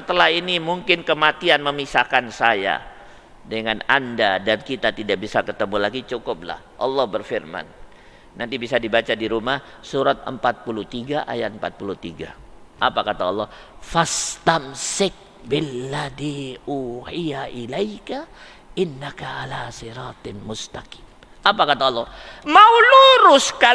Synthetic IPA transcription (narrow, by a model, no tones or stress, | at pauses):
sət̪əlaɦinimuŋkɪnkəmat̪ianməmisakansaja̰ | dəŋanandadankit̪at̪idaʔ̚bisakət̪əmulaɡit͡ʃukʊp̚la̰hʔɑlːɔhbərfirma̰nː | ant̪ibisadibat͡ʃadiɾumah | suɾat̪̚ə̰mpat̪̚pulut̪iɡaʔa̰jat̪əmpat̪̚pulut̪iɡa̰ʔapakat̪aɔlːɔ | fast̪amsɪk̚ | bɪlːadiʔuːhijaʔilajka | ʔɪnːakaʕalaːsiɾɑːt̪mʊst̪aki̥ːm | apakat̪aɔlːɔmauluɾʊska